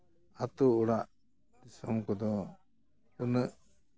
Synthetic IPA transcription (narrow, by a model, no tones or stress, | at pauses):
at̪uːɽaʔ | d̪isɔmkɔd̪ɔ | unəʔ